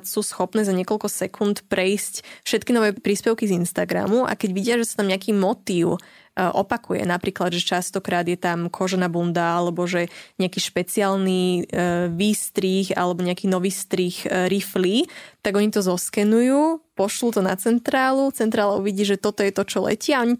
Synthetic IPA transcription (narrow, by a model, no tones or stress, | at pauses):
suːsxɔpnɛːzaɲɪɛkɔlkɔsɛkʰunt̪pɾɛiscfʃɛt̪kinɔʋɛːpɾiːspɛʊkizinst̪aɡɾa̰muʔa̰kɛɟʋiɟɪaʒɛsat̪amɲɪakiːmɔt̪iːʊ | ʔɔ̰pakujɛ̰napɾiːklad̪ʒɛt͡ʃast̪ɔkɾaːd̪jɛt̪amkʰɔʒɛnabund̪aalɛbɔʒɛɲɪakiːʃpɛt͡siaːlni | ʋiːst̪ɾixa̰lɛbɔɲɛakiːnɔʋiːst̪ɾixɾiflit̪aɡɔɲit̪ɔzɔskɛnujuːpɔʃlut̪ɔna̰t͡sɛnt̪ɾaːlut͡sɛnt̪ɾaːlaṵʋiɟiːʒɛt̪ɔt̪ɔjɛt̪ɔt͡ʃɔlɛ̰cɪaɔɲi